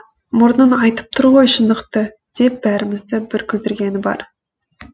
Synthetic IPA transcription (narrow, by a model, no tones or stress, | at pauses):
mʊɾnənɑjt̪ə̥p̚t̪ʰʊɾʁo̞jʃənd̪əqt̪ə | d̪̥e̞p̚bæɾɪmɪzd̪ɪbɪɾkʲʰʏt̪ɪɾɡʲenɪbɑ̰ɾ